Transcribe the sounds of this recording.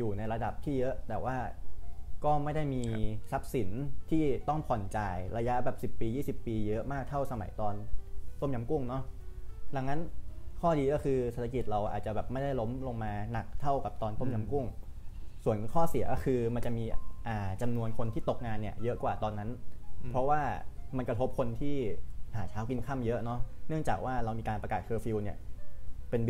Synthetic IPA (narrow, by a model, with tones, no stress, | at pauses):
juː˨˩na˧jɾa˧da˨˩p̚t̪ʰiː˥˩jɤ˦˥ʔt̪ɛː˨˩waː˥˩ | kɔː˥˩ma˥˩jda˥˩jmiː˧sa˦˥p̚si˨˩˦nt̪ʰiː˥˩t̪ɔ˥˩ŋpʰɔ˨˩nt͡ɕa˧jɾa˧ja˦˥ʔbɛː˨˩p̚si˨˩pːiː˧jiː˥˩si˨˩pːiː˧jɤ˦˥ʔmaː˥˩k̚t̪ʰa˥˩wsa˧ma̰˨˩˦jt̪ɔː˧nt̪o˥˩mja˧mku˥˩ŋnɔ˦˥da˧˦ŋːa˦˥nkʰɔː˥˩diː˧kɔ˥˩kʰɯː˧se˨˩t̪ʰa˧ki˨˩t̪̚ɾa˧wʔaː˨˩t̪̚t͡ɕa˨˩bɛː˨˩p̚ma˥˩jda˥˩jlo˦˥mlo˧ŋmaː˧na˨˩k̚t̪ʰa˥˩wka˨˩p̚t̪ɔː˧nt̪o˥˩mja˧mku˥˩ŋsu˨˩ənkʰɔː˥˩si˨˩˦kɔ˥˩kʰɯː˧ma˧nt͡ɕa˨˩miː˧ʔaː˨˩t͡ɕa˧mnu˧ənkʰo˧nt̪ʰiː˥˩t̪o˨˩k̚ŋaː˧nːi˥˩əjɤ˦˥ʔkwaː˨˩t̪ɔː˧nːa˦˥npʰɔ˦˥waː˥˩ma˧nkɾa˧t̪ʰo˦˥p̚kʰo˧nt̪ʰiː˥˩haː˩˦t͡ɕʰaː˦˥wki˧nkʰa˥˩mjɤ˦˥ʔnɔ˦˥nɯ˥˩əŋt͡ɕaː˨˩k̚waː˥˩ɾa˧wmiː˧kaː˧npɾa˧kaː˨˩t̪̚kʰɤː˧fi˧wni˥˩ɐpe˧n